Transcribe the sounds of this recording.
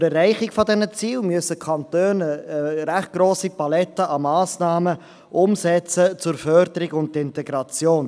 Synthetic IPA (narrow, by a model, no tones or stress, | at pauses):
ɾɛrɛɪχɪkfɔdɛnət͡siːlmyəsəkʰχɑntøːnəɾæχt̚ɡ̥roːsipɑlɛtəʔɑmɑːsnɑːmə | ʔʊmsɛt͡sət͡sʊɾfœɾdəɾɪɡʊntɪntɛɡɾɑt͡sjoːn